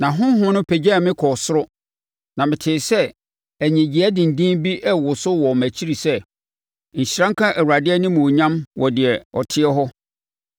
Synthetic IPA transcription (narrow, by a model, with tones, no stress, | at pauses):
nã˨ɦʊ̃˦ɦʊ̃˦nʊ̃˦pʰɛ˨d͡ʑɛ˦˨mɪ̃˦kʰɔ˨sʊ˦ɾʊ˦ | nã˨mɪ̃˨tʰɪː˨sɛ˦ | æ˨ɲĩ˨d͡ʑi˨æ˦dɪ̃˨n̩˨dĩ˦nbi˦ʔɛ˦wʊ˨sʊ˦wɔ˨mæ˨t͡ɕʰi˦ɾi˨sɛ˦ | ɲ̩˨ɕɾã˦ŋ˦kʰã˦ʔæ˨wu˨ɾa˨dɪ˦ɛ˦nɪ̃˦mũ˨ɲã˦mwʔɔ˨dɪ˨ɛ˨ɔ̰˨tʰɪ˦ɛ˦ɦɔ˦